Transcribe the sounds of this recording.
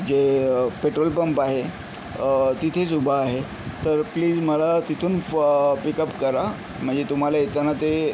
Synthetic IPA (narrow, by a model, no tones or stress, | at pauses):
d͡ʑepeʈɾolpəmpaɦe | t̪it̪ʰesubʱaːɦe | t̪əɾpliːd͡zməlat̪it̪ʰuːnpikəpkəɾa | m̤əɳd͡zet̪um̤alait̪ənat̪e